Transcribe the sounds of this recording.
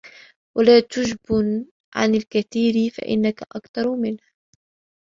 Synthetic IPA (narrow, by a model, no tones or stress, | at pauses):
wʔalaːt̪ʊʒbʊn | ʕa̰nalkaθiːɾfa̰ʔɪ̰nːakaʔakt̪ɑɾˤmɪnh